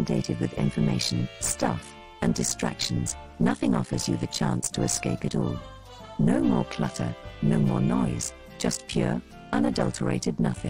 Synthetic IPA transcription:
ndeɪɾɨd̚wɨðɪ̰̃ɱfəmeɪʃɨ̃n̩stʰʌf | ɨ̃ndɨstɹ̥æ̰kʃn̩z̥ | nʌθɪ̃ŋɑfə˞zjɨðɨt͡ʃʰæ̃nstʰəɨskeɪpɨɾɔlˠ | noʊmɔɹpʰl̥ʌɾə̰˞noʊmɔɹnɔɪz̥ | d͡ʒ̥ʌspʰj̥ʊɹ | ʌ̃nɨdʌlˠtʰə˞ḛɪɾɨdⁿnʌθɪ̃

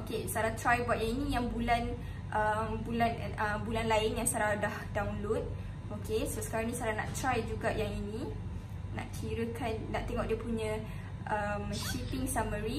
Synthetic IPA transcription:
okesaɾat̪ɾajbat̪̚jaŋinĩjaŋbulan | ʔəmbulan | əmbulanlaɪnjaŋsaɾadahdawnlot̪̚ | okʰesəsə̥kaɾaŋnĩsəaɾanã̰ʔt̪ɾajd͡ʒuɡaʔjaŋinĩ | na̰ʔkʰiɾəkʰanːaʔt̪eŋɔʔdiəpuɲə̃ | ʔəmʃipiŋsaməɾi

